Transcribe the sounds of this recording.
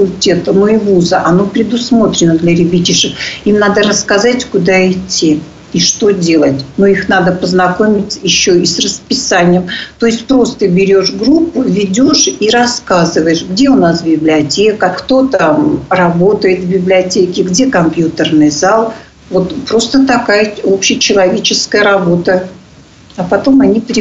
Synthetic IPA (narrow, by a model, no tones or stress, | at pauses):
əkʊlʲtʲe̞t̪ənoɪvuzəʔɐnopɾʲɪd̪ʊsmo̞t̪ɾʲɪnəd̪lʲɐɾʲɪbʲitʲɪʂɨkimnad̪əɾəskɐzatʲkʊd̪aɪtʲːi | iʂt̪o̞dʲe̞lˠətʲnoixnad̪əpəznɐko̞mʲɪtʲt͡sʲjɪɕːoisrəspʲɪsanʲɪjəmt̪o̞ɪsʲt̚ʲpɾo̞st̪əbʲɪɾʲo̞ʂɡɾupːʊvʲɪdʲo̞ʂiɾɐskazɨvəjɪʂɡdʲe̞ʊnasbʲɪblʲɪɐtʲe̞kəkt̪o̞t̪amrɐbo̞t̪əjɪt̪vbʲɪblʲɪɐtʲekʲɪɡdʲe̞kɐmpjut̪ərnɨjzalˠ | vo̞t̪pɾo̞st̪ət̪ɐkajəo̞pɕɪjət͡ɕɪlˠɐvʲet͡ɕɪskəjəɾɐbo̞t̪ə | ɐpɐt̪o̞mɐnʲipɾʲɪ